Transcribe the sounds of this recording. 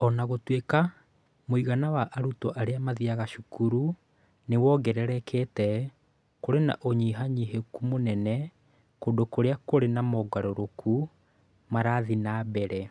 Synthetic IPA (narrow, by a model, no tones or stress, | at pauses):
ɔnaɣotweka | moiɣanawaʔaɾutɔʔaɾeamaðiaɣaʃukuɾu | newɔɡɛɾɛɾɛketɛ | koɾena̰ʔoɲiɦaɲiɦekumonɛnɛ | kodokoɾeakoɾenamɔɡaɾoɾokʰu | maɾaðinaːbɛɾɛ